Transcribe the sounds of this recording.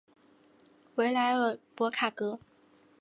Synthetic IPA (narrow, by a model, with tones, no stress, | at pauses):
we˧˥ɪla˧˥ɪə˞˧˥˩pwɔ˧˥kʰa˨˩kɤ˧˥